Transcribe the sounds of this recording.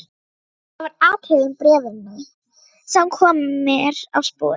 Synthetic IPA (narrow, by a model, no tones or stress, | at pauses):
avaɾaːtʰɪðʏmpɾɛːvɪna | sɛmkʰɔːmʏmɛɾa̰vspo̰ː